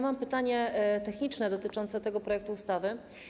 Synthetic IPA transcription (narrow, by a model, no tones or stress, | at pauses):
mampɘt̪aɲɛt̪ɛxɲit͡ʂnɛd̪ɔt̪ɘt͡ʂɔnt̪sɛt̪ɛɡɔpɾɔjɛk̚t̪uːst̪avɘ